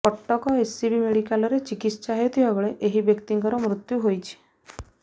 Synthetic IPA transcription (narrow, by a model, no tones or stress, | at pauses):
pɔʈːɔkɔesibimeɽikalɔɾet͡ʃikit̪sɔt͡ʃaɦewt̪ʰibaɡɔɭeʔeɦibjɔkt̪iŋkɔɾɔmɾut̪juɦojt͡ʃʰi̥